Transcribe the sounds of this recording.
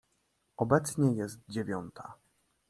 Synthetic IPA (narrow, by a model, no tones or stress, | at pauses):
ɔbɛt̪sɲɛjɛst̪̚d͡ʑevʲjɔnt̪ʰa̰